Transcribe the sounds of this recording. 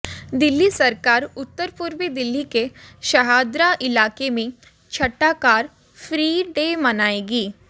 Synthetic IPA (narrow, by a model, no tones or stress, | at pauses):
d̪ɪlːisɐɾkaːɾʊt̪ːəɾpʊɾʋid̪ɪlːikeʃɐɦaːd̪ɾaʔɪlaːkemẽ | t͡ʃʰɐʈːakaːɾ | fʰɾiːɖeːmɐnaːeːɡiː